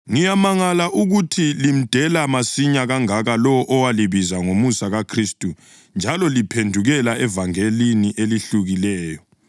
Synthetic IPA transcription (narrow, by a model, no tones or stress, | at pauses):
ŋijamaŋalaʔuɣutʰilim̩d̥ʱɛlamasiɲaɣaŋaɣalɔʔɔwaliβizaŋomusaɣakʰristʼu | nd͡ʒʱalɔlipʰendʱuɣɛlaɛvaŋeliniʔeliɬuɣilɛːjɔ